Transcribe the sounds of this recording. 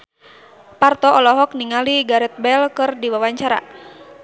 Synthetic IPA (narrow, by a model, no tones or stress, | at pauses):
part̪ɔʔɔlɔɦɔk̚niŋaliɡaɾɛt̪̚bɛlkɨrdiwawaɲt͡ʃaɾa̰